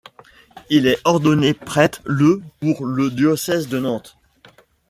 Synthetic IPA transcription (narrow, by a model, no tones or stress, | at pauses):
ilɛɔʁd̪ɔnepχɛt̪ləpuʁləd̪jɔsɛzd̪ənɑ̃t̪